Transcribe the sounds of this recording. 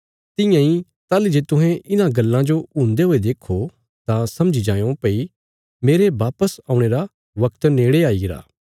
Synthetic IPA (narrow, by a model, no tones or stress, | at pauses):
t̪ɪ̃jãĩ | t̪aːlid͡ʒeːt̪ʊɦɛ̃ʔɪnãɡɐlːãd͡ʒoũːnd̪eɦoːed̪eːkʰo | t̪ãsɐmd͡ʒid͡ʒãːjõpɐi | meːɾeʋaːpəsãːũɽ̃eːɾa | ʋɐkt̪neːɽeaːiɡɪɾa̰ː